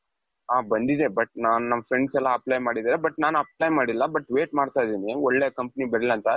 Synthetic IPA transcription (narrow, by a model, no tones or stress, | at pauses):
aːbɐnd̪id̪ebɐʈ̚naːnunɐmːɐfʰɾeɳɖsɛlːɐɐplajmaːɽid̪aːɾebɐʈnaːnuɐp̚lajmaːɽilːɐbɐʈːʋeːʈmaːɽt̪aːjd̪iːniɔɭːeːkɐmpɐnibɐɾilːɐnt̪ɐ